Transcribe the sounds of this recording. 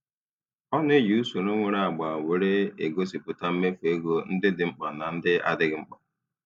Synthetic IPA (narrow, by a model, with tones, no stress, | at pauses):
ɔ˦n˦e˦ju˨u˦so˨no˦ŋʷe˨ɾa˦a˨ɡ͡ba˨we˨ɾe˦e˨ɡo˦si˨pʊ˨ta˦m̩˦me˦fe˨e˦ɡo˦n̩˦dɪ˦dɪ˨ŋ͡m̩˦k͡pa˨na˨n̩˦dɪ˦a̰˦dɪ˦ɡɪ˦ŋ͡m̩˦k͡pɔ˨